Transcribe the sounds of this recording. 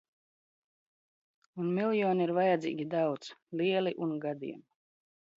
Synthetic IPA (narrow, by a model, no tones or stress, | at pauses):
unmʲilˠjɔːniiɾvajad̪zʲḭːɡʲid̪awt̪sliɛliʔunɡad̪ḭɛm